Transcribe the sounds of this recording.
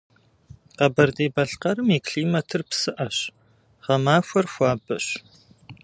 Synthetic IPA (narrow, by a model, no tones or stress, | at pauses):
qɐbɐrdeːbɐɬqɐɾɨmikʰɬiːmɐtʰɨrpsɨʔɐɕ | ʁɐmaːfʷɐrxʷaːbɐɕ